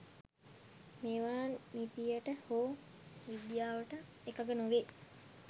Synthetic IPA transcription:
meʋaːnmipijəʈəhoː | ʋid̪jaːʋəʈə | ekaɡənoʋe

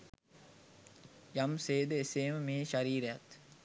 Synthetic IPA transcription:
jɐmseːd̪əeseːməmeːʃaɾiːɾejat̪

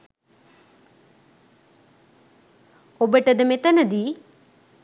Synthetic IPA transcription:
obəʈəd̪əmet̪ənəd̪iː

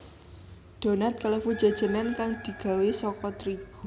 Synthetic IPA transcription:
d̪̥o̤nat̪̚kaləfud̥d͡ʒ̥a̤d̥ʒ̥ə̤nankaŋd̪̥i̤ɡ̥a̤wesɔkɔt̪ɾiɡ̥u

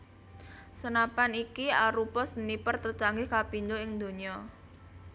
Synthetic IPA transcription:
sənapanikiaɾupɔsənipərt̪ərt͡ʃaŋɡɪhkapind̪oɪŋd̪o̤ɲiɔ

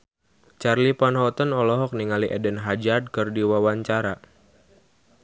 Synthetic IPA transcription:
t͡ʃarlipanɦɔt̪ənɔlɔɦɔk̚niŋaliʔɛdənɦad͡ʒad̚kɨrdiwawaɲt͡ʃaɾa

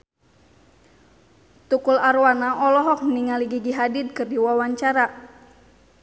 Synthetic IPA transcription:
t̪ukularwanaʔɔlɔɦɔk̚məniŋaliɡiɡiɦadɪd̪̚kɨrdiwawaɲt͡ʃaɾa

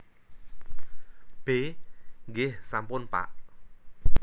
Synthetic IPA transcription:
b̥eŋɡɪhsampʊnpa̰ʔ

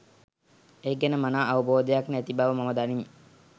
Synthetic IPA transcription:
eɡɛnəmanaːʔaʋəboːd̪əjaknæt̪ibaʋəmaməd̪anime

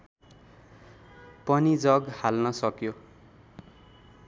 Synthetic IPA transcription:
pʌnid͡zʌɡhalnʌsʌkjo

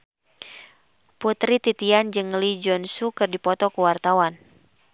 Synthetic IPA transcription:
put̪ɾit̪it̪iand͡ʒɨŋlid͡ʒɔnsukɨrdipɔt̪ɔkuwart̪awan

